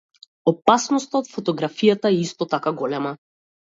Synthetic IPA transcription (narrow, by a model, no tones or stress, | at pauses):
ɔpasnɔst̪aot̪fɔt̪ɔɡɾafijat̪aɛist̪ɔt̪akaɡɔlɛma